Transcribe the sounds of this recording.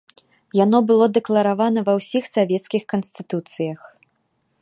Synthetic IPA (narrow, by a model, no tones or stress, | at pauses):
janɔbɨlˠɔd̪ɛklˠɐɾavanɐvɐwsʲixsavʲɛt̪skʲixkɐnsʲt̪ɨt̪ut̪sɨjɐx